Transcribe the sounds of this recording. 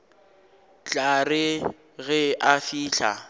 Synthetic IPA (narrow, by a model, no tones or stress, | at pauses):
t͡ɬʼarɪ | ɣɛʔafiːɬʰa̰